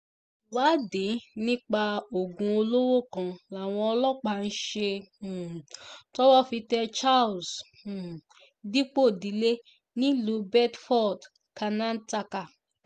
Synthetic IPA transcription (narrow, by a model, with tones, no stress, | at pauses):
wa˨˦de˨˦nĩ˦k͡pa˧o˨ɡũ˧o˧lo˦wo˦˨kã˧la˨w̃ɔ̃˧ɔ˧lɔ˦k͡pa˧˨n̩˦ʃe˧˨ | tɔ˦wɔ˦˨fi˧tɛ˧t͡ʃa˦˨ls̩˨ | di˦k͡po˦˨di˨˦le˦ | nĩ˦lu˨˦bɛ˦tfɔ˦˨d | ka˧nã˦n̩˦ta˧ka˨